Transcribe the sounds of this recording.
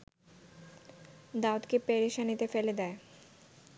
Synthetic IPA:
d̪aot̪kepeɾiʃanit̪efeled̪ɛe

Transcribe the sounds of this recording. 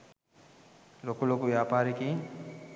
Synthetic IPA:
lokulokuʋijaːpaːɾeki

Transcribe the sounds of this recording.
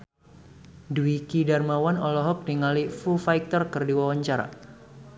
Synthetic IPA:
duikidarmawanɔlɔɦɔk̚diŋalifufajk̚t̪ərkɨrdiwawaɲt͡ʃaɾa̰

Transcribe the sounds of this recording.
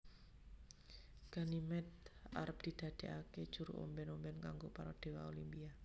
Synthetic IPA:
ɡ̥a̤nimɛt̪̚a̰ɾəp̚d̪̥i̤d̪̥ä̤d̪̥e̤ʔaked̥ʒ̥uɾṵʔo̰mbɛnombɛnkaŋɡopaɾɔd̪̥e̤waolimpia

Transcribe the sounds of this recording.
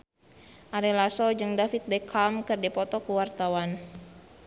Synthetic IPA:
ʔaɾilasɔd͡ʒɨŋdafit̪̚bɛkʰamkɨrdipɔt̪ɔkuwart̪awan

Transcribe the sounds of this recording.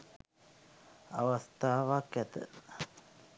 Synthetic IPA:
a̰ʋast̪aːʋakæt̪ə

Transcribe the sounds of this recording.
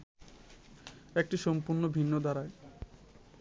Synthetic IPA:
ek̚ʈiʃɔmpuɾnobʱinːod̪aɾae

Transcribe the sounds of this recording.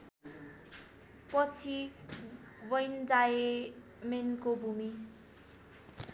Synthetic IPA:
pʌt͡sʰi | wʌjndaje | menkobʱumi

